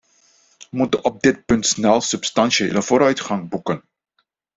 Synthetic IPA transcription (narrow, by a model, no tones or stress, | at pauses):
əmutənɔb̚dɪt̚pɵntsnɛlˠsɵpstɑnsəɪ̰ləvoːɾœɥtχɑŋbukən